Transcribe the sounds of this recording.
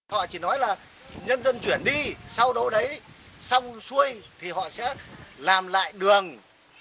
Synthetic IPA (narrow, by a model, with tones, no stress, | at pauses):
hɔ̰˧˨t͡ɕi˧˩nɔ˨˦jlaː˨˩ | ɲə˧nzə˧nt͡ɕwi˧˩ənɗi˧sa˧wɗə˨˦wɗə˨˦jsa˧wŋ͡msu˧əjt̪ʰi˨˩ɦɔ̰˧˨sɛ̰˧˥laː˨˩mla̰ː˧˨jɗɨ˨˩əŋ